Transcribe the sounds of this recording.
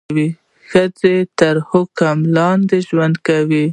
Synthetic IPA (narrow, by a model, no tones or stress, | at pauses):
wi | xəd͡zet̪əɾhʊkamlɑnd̪eʒwand̪kawi